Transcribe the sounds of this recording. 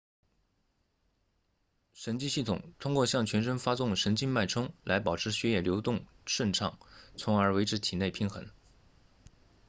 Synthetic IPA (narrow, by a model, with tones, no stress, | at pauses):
ʂə˧˥nt͡ɕi˥˧ɕi˥˩t̪ʰʊ˨˩ŋt̪ʰʊ˥ŋkwɔ˥˧ɕjɑ˥˩ŋt͡ɕʰɥɛ˧˥nʂə˥nfa˥sʊ˥˩ŋʂə˧˥nt͡ɕi˥˧nma˥˩ɪʈ͡ʂʰɤ˥ŋla˧˥ɪpɑ˨˩ʊʈ͡ʂʰɻ̩˧˥ɕɥɛ˥jɛ˥˩ljo˧˥ʊt̪ʊ˥˧ŋ | ʂwə˥˧nʈ͡ʂʰɑ˥˩ŋt͡sʰʊ˧˥ŋə˞˧˥we˧˥ɪʈ͡ʂʰɻ̩˧˥t̪ʰi˨˩ne˥˩ɪpʰi˥nxə̰˧˥n